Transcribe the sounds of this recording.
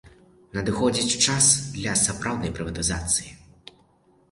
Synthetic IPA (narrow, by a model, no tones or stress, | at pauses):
nɐd̪ɨxɔd͡zʲit͡sʲt͡ʂasd̪lʲɐsapɾawd̪nɐjpɾɨvɐt̪ɨzat̪sɨji